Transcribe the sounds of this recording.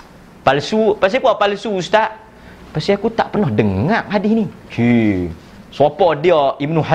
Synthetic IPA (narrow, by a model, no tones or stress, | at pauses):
palsupas̬t̪ikuapalsust̪aʔ | past̪iakut̪a̰ʔpərnɔhdəŋaʔ̚hadɪhnikʰi | sɔpɔdiɔibnuɦa